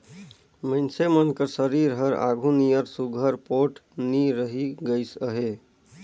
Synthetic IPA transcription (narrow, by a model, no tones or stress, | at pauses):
məɪnsemənkəɾsəɾiɾɦəɾa̰ɡʱũnijəɾsuɡʱəɾpoʈniɾəɦiɡəɪsəɦe